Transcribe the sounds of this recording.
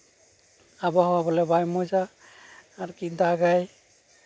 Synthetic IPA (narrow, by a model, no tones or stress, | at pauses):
abɔhɔwabɔlɛbajmɔjzaː | ɾkidaɡaj